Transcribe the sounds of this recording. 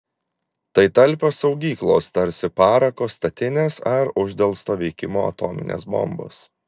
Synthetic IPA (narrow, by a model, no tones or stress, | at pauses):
t̪ɐɪt̪ɐlʲˑpʲosɒʊɡʲiːklˠoːst̪ɐɾʲsʲɪpɑːɾɐkoːst̪ɐt̪ʲɪnʲeːsɐɾʊʒʲd̪ʲɛlˠst̪oːʋʲɛɪkʲɪmo̰ːɐ̰t̪oːmʲɪ̰nʲḛːsbɔ̰mbo̰ːs